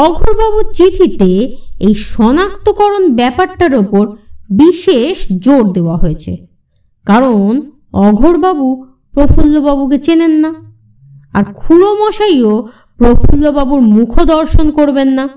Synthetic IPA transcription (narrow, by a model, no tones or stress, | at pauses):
ɔɡʱoɾbabuɾt͡ɕiʈʰit̪eejʃɔnak̚t̪okɔɾonbɛpaɾʈaɾopoɾbiʃeʃd͡ʑoɾd̪eoaɦoet͡ɕʰḛ | kaɾon | ɔɡʱoɾbabu | pɾofulːobabuk̬et͡ɕenenːa | a̰ɾkʰulomɔʃaio | pɾofʰulːobabuɾmukʰod̪ɔɾʃonkoɾbenːa